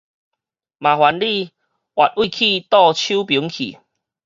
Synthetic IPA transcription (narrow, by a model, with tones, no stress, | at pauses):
mã˨hwa˨˦nli˥˧ | ʔwʔa˨t̚ʔwi˥˧˨kʰi˥˧t̪ɔ˥˧t͡ɕʰu˦pi˨˦ŋkʰḭ˨˩